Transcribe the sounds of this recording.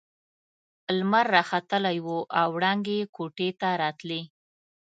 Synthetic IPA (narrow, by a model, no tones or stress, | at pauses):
lmaɾːɑxat̪əlajwoʔawɽɑŋɡekoʈet̪aɾɑt̪li